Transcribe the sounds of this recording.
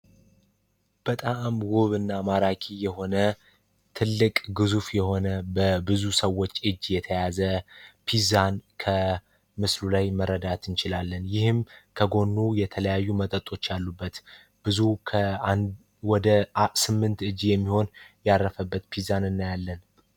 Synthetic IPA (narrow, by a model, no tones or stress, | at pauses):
b̥ət̪ʼamwoβɨnːamaɾakʼijɛho̞nə | t̪ʰɨlːɨkʼɡɨzufjɛho̞nəbəbɨzusəwːo̞t͡ʃːʔɨd͡ʒːjɛt̪ʰəjazəpʰizankʰə | mɨslulajməɾːəd̪at̪ʰɨnt͡ʃɪlalːənjɪhɨmkʰəɡo̞nːujɛt̪ʰələjajːumət̪ʼət̪ʼo̞t͡ʃːjalːubːət̪ | b̥ɨzukʰə | wɔd̪əsɨmːɨnt̪ɨd͡ʒjɛmːiho̞njarːəfəbːət̪pʰizanɨnːajalːən